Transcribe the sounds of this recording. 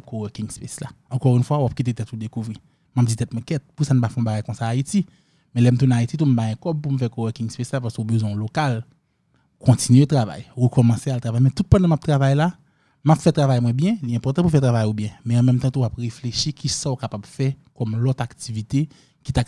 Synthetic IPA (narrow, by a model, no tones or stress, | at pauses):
koɛkĩŋspeslaɑ̃kɔʁynfwawap̚kit̪̬et̪ɛt̪̚ud̪ekuvʁi | map̚d͡zit̪ɛt̪̚mwɛ̃kɛt̪̚pusan̩pafɔ̃baɡajkɔ̃saːiti | mɛ̃lɛm̩t̪ũñait͡sit̬um̩baɛ̃kɔb̚pum̩fɛkowɛkĩŋspeslapaskeobøzwɛ̃ɔ̃lokal | kʰɔ̃t͡sinɥet̪ʁava̰jwəkɔmɑ̃sealt̪avajmɛ̃t̪ut̪̚pɐ̃d̪ɐ̃map̚t̪ʁavajla | mapfɛt̪ʁavajmwɛ̃bjɛ̃liɛ̃pɔʁt̪ɑ̃pufɛt̪ʁavajobjɛ̃mɛ̃ɑ̃mɛ̃mt̪ɑ̃t̪uwapʁefleʃikʰisãokapabfɛkɔmlɔt̪ak̚tivit̪e | kit̪ak